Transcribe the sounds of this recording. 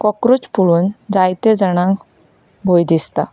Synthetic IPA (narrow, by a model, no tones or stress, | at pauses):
kɔkɾut͡spuɭuːnd͡zajt̪ed͡zəɽ̃ãŋk | bʱojd̪ist̪a